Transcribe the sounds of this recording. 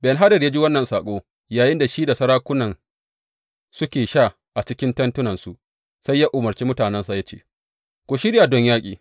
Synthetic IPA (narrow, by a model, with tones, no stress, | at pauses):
bɛ˨nɦa˦dɐ˨ja˦d͡ʒi˦wɐ˦nːɐ˨nsaː˨kʷʼoː˦ | jaː˨jɪ˦nda˨ʃiː˦da˨sɐ˦ɾaː˦kʷʊ˦nɐ˨n | sʊ˦kʲeː˨ʃa˦˨ | ʔa˨t͡ʃɪ˦kʲɪ˦ntɐ˦ntʊ˦nɐ˨nsu˦ʔ | sa˦jːaː˦ʔʊ˨mɐ˨rt͡ʃiː˦mʊ˦taː˨nɛ˦nsa˨ja˦t͡ʃḛː˦˨ | kʷo˨ʃɪ˦ɽja˨dɔ˦ɲjaː˦kʲʼḭː˨